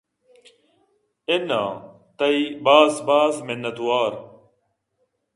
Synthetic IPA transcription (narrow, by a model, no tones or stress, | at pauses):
ɪna̰ː | t̪ɐibaːsbaːzmɪnːɐt̪waːɾ